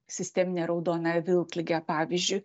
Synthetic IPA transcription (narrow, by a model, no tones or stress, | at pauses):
sʲɪsʲt̪ʲɛːmʲɪnʲeɾɒʊd̪oːnɐʋʲɪlˠklʲɪɡʲɛpɑːʋʲizʲd͡ʒʲʊɪ